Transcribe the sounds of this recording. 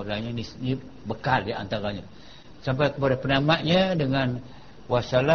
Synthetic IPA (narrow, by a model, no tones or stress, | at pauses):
ɾaɲanini | bəkaldia̰nt̪aɾaɲa | sampajkəpadapənamaʔɲadəŋan | wasala